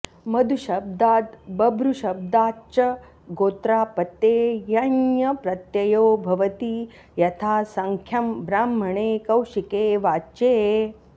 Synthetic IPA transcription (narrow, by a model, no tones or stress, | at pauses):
mɐd̪ʱuʃɐb̚d̪aːt̪bɐbɾuʃɐb̚d̪aːt͡ʃɐ | ɡoːt̪ɾaːpɐt̪eːjɐnjɐpɾɐt̪jɐjoːbʱɐʋɐt̪i | jɐt̪ʰaːsɐŋkʰjɐmbɾaːmːɐɳeːkɐwʃikeːʋaːt͡ʃeː